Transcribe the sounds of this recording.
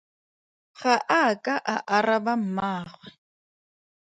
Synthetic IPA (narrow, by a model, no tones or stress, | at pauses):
χaʔakʼaʔaʔarabam̩maːχwɛ